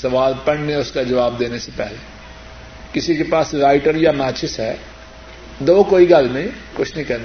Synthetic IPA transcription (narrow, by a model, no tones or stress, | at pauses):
sɐʋaːlpɐɽneʊskad͡ʒɐʋaːb̚d̪eːnesepɛɦle | kɪsikepaːsɾaːɪʈəɾjamaːt͡ʃʰɪsɦɛː | d̪oːkoːiɡɐlnɐɦĩkʊt͡ʃʰnəɦĩkɐɾna